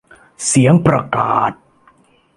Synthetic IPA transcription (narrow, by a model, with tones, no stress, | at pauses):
si˩˦əŋpɾa˧kaː˨˩t̪̚